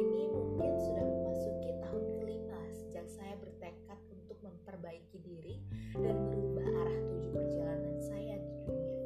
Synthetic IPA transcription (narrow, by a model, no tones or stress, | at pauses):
iminʊmjaŋsudahməmasukit̪aɦʊnkəlimasəd͡ʒak̚sajabərt̪əkat̪̚unt̪ʊk̚məmpərbaikidiɾidanməɾubaaɾaht̪ud͡ʒupərd͡ʒalanansajadidunia